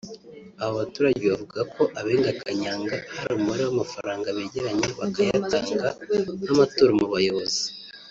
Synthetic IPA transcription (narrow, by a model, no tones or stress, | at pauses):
aβoβatuːɾaɟeβavuɡakʰo̞ʔaβe̞ːŋɡakʰaɲaːŋɡahaɾamumaɾiwamafaɾaːŋɡaβe̞ːɟe̞ɾaɲe̞βakajataːŋɡanamato̞ːɾomuβajo̞βo̞zi̥